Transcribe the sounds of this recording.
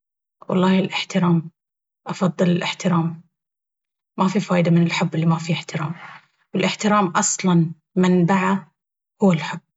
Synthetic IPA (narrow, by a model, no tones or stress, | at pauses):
wɑ̰lˤːɑːhɪlʔɪħt̪ɪɾaːm | ʔɑfɑðˤːɨlɪlʔɪħt̪ɪɾaːm | mafifaːʔɪd̪amɪnɪlħʊbːɪlːimafiɪħt̪ɪɾaːm | wɪlʔɪħt̪ɪɾaːmʔɑsˤlɑn | mɪnbaʕa | hʊwːalħʊb̥ː